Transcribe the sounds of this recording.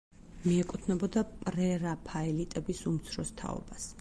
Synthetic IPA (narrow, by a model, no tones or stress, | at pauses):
miɛkʼut̪ʰnɛbɔd̪apʼɾɛɾapʰaɛlit̪ʼɛbisumt̪sʰɾɔst̪ʰa̰ɔ̰bas